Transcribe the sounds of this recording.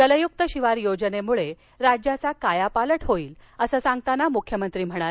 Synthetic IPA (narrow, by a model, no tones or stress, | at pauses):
t̪ələjuk̚t̪əɕiʋaɾjod͡zənemuɭe | ɾad͡ʑjat͡sakajapaləʈɦoiːləsəːsãŋɡ̚t̪anamukʰjəmənt̪ɾiːm̤əɽ̃a